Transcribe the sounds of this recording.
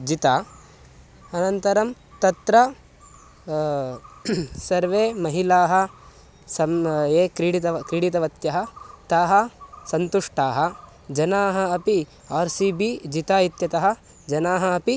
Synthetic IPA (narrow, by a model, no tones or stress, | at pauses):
d͡ʒit̪aː | ɐnɐnt̪ɐɾɐm | t̪ɐt̪ɾɐ | sɐɾʋeːmɐɦilaːɦɐ̆ | sɐmeːkɾiɽit̪ɐkɾiɽit̪ɐʋɐt̪jɐɦɐ̆t̪aːɦɐsɐnt̪uʂʈaːɦɐ̆ | d͡ʒɐnaːɦɐɐpi | aːɾsiːbid͡ʒit̪aːit̪jɐt̪ɐɦɐ̆ | d͡ʒɐnaːɦɐɐpi